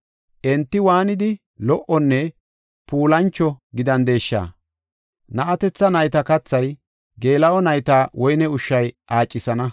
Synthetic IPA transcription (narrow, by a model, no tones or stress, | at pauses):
ʔɛnt̪ːɪwaːnɪd̪ɪ | lɔʔɔnːɛ | puːlɐnt͡ʃːɔɡɪd̪ɐnd̪e̞ːʃːa̰ː | nɐʔɐt̪ɛt͡sːɐnɐjt̪ɐkɐt͡sːɐj | ɡe̞ːlɐʔɔnɐjt̪aːwɔjnɛʊʃːɐjʔaːt͡ʃʼːɪsɐnɐ